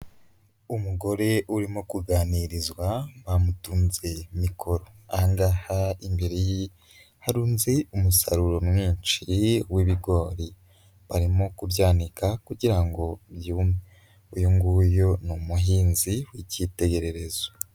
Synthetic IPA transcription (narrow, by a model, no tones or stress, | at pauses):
umuɡo̞ɾe̞ʔuɾimo̞kuɡaːniɾizwaβamutuːnze̞mikʰo̞ɾo̞aŋɡahaimbeɾeji | haɾuːnzeumusa̰ɾuɾo̞numŋiːnt͡ʃiwiβiɡo̞ːɾi | βaɾimo̞kubjaːnikʰakuɟiɾaŋɡo̞bjuːme | ujuŋɡujo̞numuɦiːnziwicite̞ɡe̞ɾe̞ɾe̞zo